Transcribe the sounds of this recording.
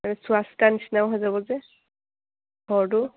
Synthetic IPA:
manɛsuastanisnawɦɔjzabɔzɛ | ɡɔɹdu

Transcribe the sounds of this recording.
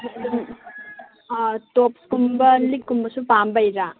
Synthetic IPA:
top̚kumbɐlikːumbɐsupambajɾa

